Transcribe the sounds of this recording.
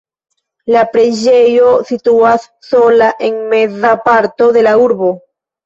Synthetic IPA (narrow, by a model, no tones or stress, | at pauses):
lapɾe̞d͡ʒe̞jo̞situasːo̞laʔe̞nmezapaɾto̞ðe̞lauɾbo̞